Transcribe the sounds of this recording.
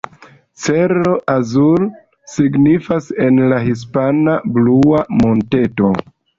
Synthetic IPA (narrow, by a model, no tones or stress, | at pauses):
t͡seɾloʔazul | siɡnifase̞nlaɦis̬panabluamo̞nte̞to̞